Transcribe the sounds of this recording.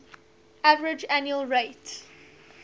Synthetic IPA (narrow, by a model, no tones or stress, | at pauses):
ævəɹɪd͡ʒænjuəlɹeɪt